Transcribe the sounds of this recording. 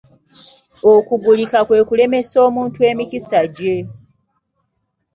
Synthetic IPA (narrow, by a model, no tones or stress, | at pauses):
okuɡulikakwe̞ːkule̞me̞so̞ːmuːntue̞ːmicisaɟe